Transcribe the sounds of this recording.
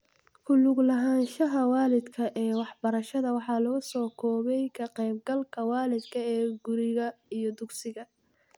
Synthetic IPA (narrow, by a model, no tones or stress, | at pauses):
kʰʊlʊɡlɐɦaːnʃɐɦɐwaːlɪd̪kʰɐʔɛːwɑħbɐɾɐʃɐðɐwɑħɑːlʊɣʊsɔːkʰɔːβɛjkʰɐqɛjb̚ɡɐlkʰɐwɑːlɪd̪kʰɐɛːɡʊɾɪɣɐijɞd̪ʊɡsɪɣɐ